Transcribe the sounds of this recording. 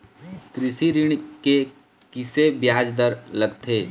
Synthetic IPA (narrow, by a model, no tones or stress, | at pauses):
kɾɪsiɾiɽ̃ke | kɪsebjaːd͡ʒd̪əɾləɡt̪ʰeː